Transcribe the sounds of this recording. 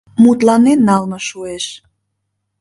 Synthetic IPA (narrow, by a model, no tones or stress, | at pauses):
mut̪lɑnenːɑlmɤʃueʃ